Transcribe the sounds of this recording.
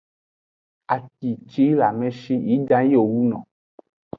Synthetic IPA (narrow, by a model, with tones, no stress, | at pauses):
a˨ki˨t͡ʃi˦la˨mɛ̃˦ʃi˦ji˨˦dã˦ji˦o˨wu˦nɔ̃˨